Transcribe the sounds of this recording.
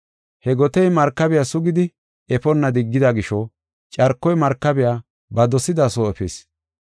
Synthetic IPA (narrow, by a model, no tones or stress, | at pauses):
hɛɡɔt̪ɛjmɐɾkːɐbɪjasʊɡɪd̪ɪ | ɛfɔnːɐd̪ɪɡːɪd̪ɐɡɪʃɔ | t͡ʃʼɐɾkːɔjmɐɾkːɐbɪjaː | bɐd̪ɔsɪd̪aːsoːɛfɛ̰s